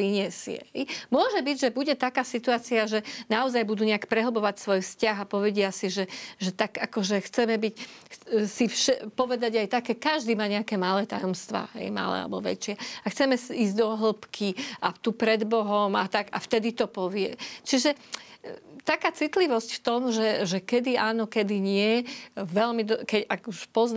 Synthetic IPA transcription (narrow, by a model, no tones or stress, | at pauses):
iɲɛsɪɛ̰ɦɛjmʊɔʒɛbiɟʒɛbuɟɛt̪akaːsit̪uaːt͡siaʒɛnaɔzajbud̪uɲɛakpɾɛɦl̩bɔʋacsʋɔjfscaɣapɔʋɛɟɪasiʒɛʒɛt̪akakɔʒɛxt͡sɛmɛbic | sifʃɛpɔʋɛd̪aɟajt̪akɛkaʒd̪iːmaːɲɛakɛːmalɛːt̪ajɔmst̪ʋa̰ːɦɛ̰jma̰lɛ̰a̰lɛbɔʋɛ̰t͡ʃɪɛaxt͡sɛmɛsiiːzd̪ɔɦl̩pkʰiat̪upɾɛd̪bɔɦɔmat̪aɡa̰ft̪ɛd̪it̪ɔpɔʋɪɛ̰t͡ʃiʒɛ | t̪akaːt͡sit̪liʋɔscft̪ɔmʒɛʒɛkɛd̪iaːnɔkɛd̪iɲɪɛʋɛlmid̪kɛcaɡuʃpɔzn